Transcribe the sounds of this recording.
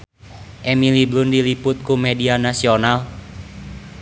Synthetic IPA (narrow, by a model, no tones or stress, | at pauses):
ʔemiliblʊndilipʊt̪̚kumedianasional